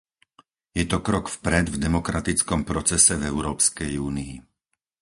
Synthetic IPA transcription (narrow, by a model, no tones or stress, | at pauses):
jɛt̪ɔkɾɔkfpɾɛd̪vd̪ɛmɔkɾat̪it͡skɔmpɾɔt͡sɛsɛvɛʊɾɔːpskɛjuːniː